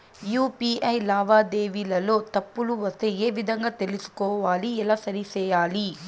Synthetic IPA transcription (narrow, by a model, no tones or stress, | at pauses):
juːpiɐjlaːʋaːd̪eːʋilɐlo̞ːt̪ɐpːuluʋɐst̪eeːʋid̪ʱɐŋɡaːt̪elisu̥kɔːʋaːliɛlaːsɐɾisɛːjaːli